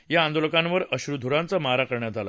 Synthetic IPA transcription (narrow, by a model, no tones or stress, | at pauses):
jaːnd̪oləkãnʋəɾəɕɾud̪ʱuɾãnt͡samaɾakəɾɳjad͡zʱala̰